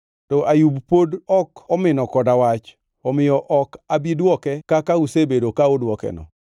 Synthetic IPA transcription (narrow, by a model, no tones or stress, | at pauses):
tɔʔajubpodɔkɔmɪnɔkɔdawat͡ʃ | ɔmɪjɔʔɔkabidwɔkɛkakausebedokaodwɔkɛ̰nɔ̰